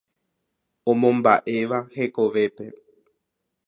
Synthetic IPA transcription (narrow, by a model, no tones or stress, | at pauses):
õmõmbaʔeʋahekoʋepe